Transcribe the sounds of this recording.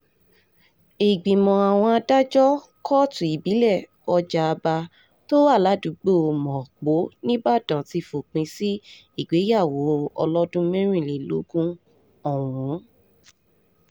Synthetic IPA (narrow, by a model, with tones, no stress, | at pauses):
i˨ɡ͡bĩ˨mɔ̃˨a˨w̃ɔ̃˧a˧da˦d͡ʒɔ˦ | kʰɔ˦tũ˨i˨bi˨˦lɛ˦˨ | ɔ˧d͡ʒaː˧ba˧ | to˦wa˦˨la˨˦du˨˦ɡ͡bo˦˨o˨mɔ̃˨k͡po˨˦nĩ˦ba˦˨dã˨ti˧fo˨k͡pĩ˧si˦ | i˦˨ɡ͡be˨˦ja˦˨wo˨˦ɔ̰˧lɔ˦dũ˦mɛ̃˦ɾ̃ĩ˦˨le˨lo̰˨˦ɡũ˦ | ɔ˦˨w̃ũ˨˦